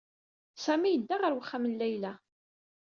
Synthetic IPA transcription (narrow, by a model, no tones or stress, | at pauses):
sæmijəd̪ːaʁəɾwəχːæmənlæjlæ